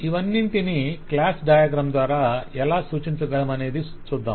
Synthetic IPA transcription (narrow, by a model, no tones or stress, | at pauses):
iʋɐnːint̪iniklaːsɖaːjaːɡɾɐːmd̪ʋaːɾaːɛlaːsuːt͡ʃiɲt͡ʃɐɡɐmɐne̞ːd̪i | sud̪ʱːɐ̰m